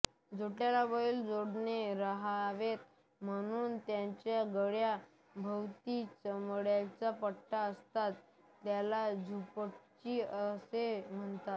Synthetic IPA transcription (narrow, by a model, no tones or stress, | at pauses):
d͡zoʈjalaʋəiːld͡zoɽneɾəɦaʋet̪̚ | m̤əɽ̃uːnt̪jãt͡ɕjaɡəɽja | bʱəwt̪it͡səmɽjat͡sapəʈːaəst̪at̪ː | jalad͡zʱupəʈt͡ɕiːəsem̤əɳt̪at̪̚